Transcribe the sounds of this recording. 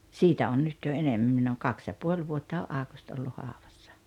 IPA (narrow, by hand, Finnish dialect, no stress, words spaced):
siːtæ on nyt jo enemːæm minː oːŋ kɑks jɑ puolʲ ʋuotːɑ oʔ ʔɑːkust olːu hɑˑoʋɑsːɑ̥